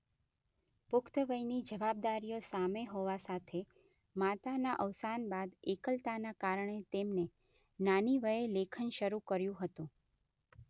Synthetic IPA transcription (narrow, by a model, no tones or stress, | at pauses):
pʊkʰt̪əʋəjnid͡ʒəʋab̚d̪aɾijosameɦoʋasat̪ʰe | mat̪anaʔəʋsanbad̪ekəlt̪anakaɾəɳ̃et̪emne | naniʋəelekʰənʃəɾukəɾjũɦət̪ũ